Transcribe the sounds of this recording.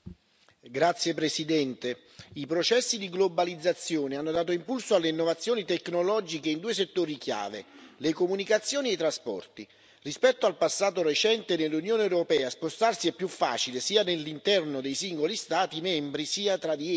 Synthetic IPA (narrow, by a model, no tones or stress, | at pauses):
ɡɾat̪sjepɾesid̪ɛnt̪e | ipɾot͡ʃɛsːid̪iɡlobalid̪zːat̪sːjoːneanːod̪aːt̪̬oimpulsoalːeinːovat̪sːjoːnit̪ekːnolɔːd͡ʒikeind̪uːeset̪ːoːɾikja̰ːvḛlekomunikat̪sːjoːniejt̪ɾaspɔ̰rt̪i | rispɛt̪ːoalpasːaːt̪oret͡ʃɛnt̪enelːunjoːneɛwɾopɛːaspost̪arsiɛpːjufːa̰ːt͡ʃilesiːanelːint̪ɛrnod̪ejsiŋɡolist̪aːt̪imɛmbɾisiːat̪ɾad̪i